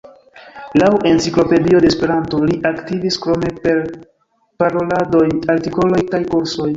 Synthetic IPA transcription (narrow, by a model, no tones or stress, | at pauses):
lawe̞nt͡siklo̞pe̞dio̞de̞spe̞ɾanto̞liʔaktiviskɾo̞me̞peɾ | paɾo̞lado̞jaɾtiko̞lo̞jkajkoɾso̞j